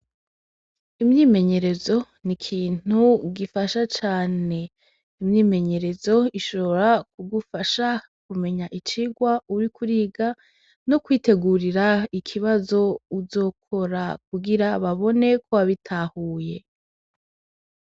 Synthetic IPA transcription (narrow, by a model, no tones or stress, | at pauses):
imɲiːme̞ɲe̞ɾe̞zo̞ | nikʰiːn̥uɡifaʃat͡ʃaːne̞ | imɲiːme̞ɲe̞ɾe̞zo̞iʃo̞βoɾakuɡufaʃa | kume̞ɲaʔit͡ʃiɡwauɾikʰuɾiːɡa | no̞kwiːte̞ɡuɾiɾaikʰiβazo̞uzo̞ːkʰo̞ɾak̚uɡiɾaβaβo̞ne̞kʰo̞waβitʰaːhuːje̞